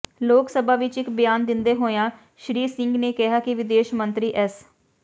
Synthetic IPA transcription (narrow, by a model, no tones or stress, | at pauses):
loːksəbaːʋɪt͡ʃɪkbɪjaːnd̪ɪnd̪eːɦoːjãː | ʃɾiːsɪ̃ŋɡneːkɪɦaːkɪʋɪd̪eːʃmənt̪ɾiːʔɛs